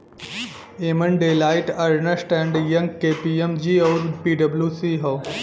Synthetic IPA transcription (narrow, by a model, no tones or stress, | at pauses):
eːməɳɖeːlaːɪʈɐɾɳəsʈɛ̃ːɳɖjɐ̃ŋɡkeːpiemd͡ʒiːoːɾpiːɖɐbluːsiːɦoː